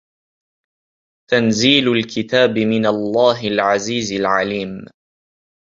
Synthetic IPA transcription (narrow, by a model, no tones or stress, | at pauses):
t̪anziːlʊlkɪt̪aːbɪmɪnalˤːaːɦɪlʕaziːzalʕaliːm